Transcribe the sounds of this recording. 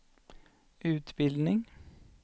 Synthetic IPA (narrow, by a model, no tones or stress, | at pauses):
ʔʉːt̪bɪld̪nɪŋ